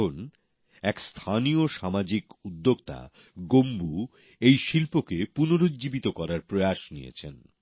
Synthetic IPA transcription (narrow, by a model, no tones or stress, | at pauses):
on | ɛkst̪ʰanioʃamad͡ʑikud̪ːoɡt̪a̰ | ɡombu | ejʃilpokepunoɾod͡ʑd͡ʑibit̪okɔɾaɾpɾojaʃnḭjḛt͡ɕʰen